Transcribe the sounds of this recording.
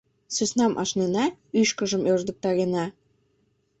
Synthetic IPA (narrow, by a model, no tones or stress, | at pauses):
søsnɑmʔɑ̰ʃnenɑyʃkə̆ʒə̆møʒd̪ə̆k̚t̪ɑɣenɑ